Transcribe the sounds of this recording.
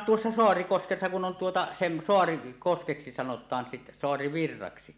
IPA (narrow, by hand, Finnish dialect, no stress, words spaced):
tuosːɑ soɑrikoskesːɑ kun on tuotɑ sem soɑrikoskeksi sɑnotˑɑːn sit soɑriʋirːɑksi